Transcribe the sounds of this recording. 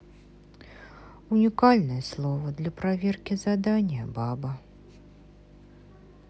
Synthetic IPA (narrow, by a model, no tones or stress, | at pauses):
unʲikalʲnɨjɐslˠɔvɐd̪lʲɐpɾavʲɛrkʲizad̪anʲjɐ̰babɐ